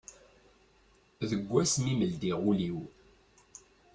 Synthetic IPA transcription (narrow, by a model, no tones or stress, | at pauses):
ðəɡʷːæsmiməld̪iʁuliw